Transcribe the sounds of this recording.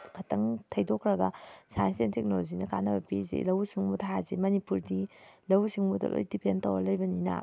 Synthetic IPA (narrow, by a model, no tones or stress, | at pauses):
kʰɐtʰɐŋtʰɐjdokʰɾɐɡɐsajnsentek̚nolozinɐka̰nɐbɐpizḛlɐwsiŋmudɦazemɐnipuɾdilɐwsiŋmudɐ̰lʔo̰jdipʰentɐwɐ̰lɐjbɐninɐ̰